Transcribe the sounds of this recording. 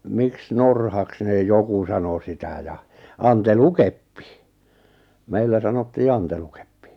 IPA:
miks norhɑks neˑ joku sɑno sitæ jɑ ɑntelukepːi meilːæ sɑnotːiː ɑntelukepːi̥

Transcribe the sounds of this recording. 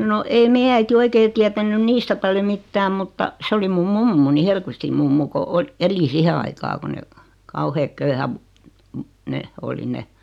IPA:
no ei meijæ æiti oikeː tiætænˑyn niːstæ pɑljo mitːæːm mutːɑ se oli mum mumːuni helkʋistim mumːu ko o eli sihe ɑikɑː ko ne kɑuheːk køyhæʋ ne oli ne

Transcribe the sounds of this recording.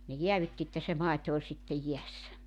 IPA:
ne jeæʋytːi etːæ se mɑˑito olʲ sitːej jiæsːæ

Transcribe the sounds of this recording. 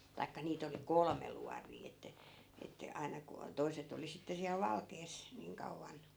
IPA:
tɑikːɑ niːt oli kolme luɑriː etːæ etːæ ɑi̯nɑ ku o toi̯set oli sitːe siæl ʋɑlkeːs niːŋ kɑuʋːɑn

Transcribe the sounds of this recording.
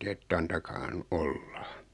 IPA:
etː ɑntɑkɑːhɑn olːɑ

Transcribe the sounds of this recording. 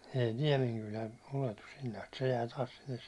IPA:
ei niɛmeŋkylæ uletus sinːe ɑst se jæː tɑːs sinːes

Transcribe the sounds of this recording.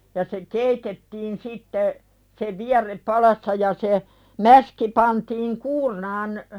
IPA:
jɑ se keitetːiːn sitːe se ʋiærˑep pɑlɑsːɑ jɑ se mæski pɑntiːŋ kuːrnɑːn

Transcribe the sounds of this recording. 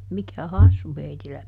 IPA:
mikæ hɑsːu heitilːæ

